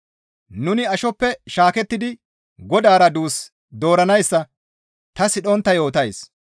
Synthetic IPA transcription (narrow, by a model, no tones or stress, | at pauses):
nʊnɪɐʃɔpːɛʃaːkɛt̪ːɪd̪ɪ | ɡɔd̪aːɾɐd̪uːs | d̪o̞ːɾɐnɐjsːɐ | t̪ɐsɪɗɔnt̪ːɐjo̞ːt̪ɐjs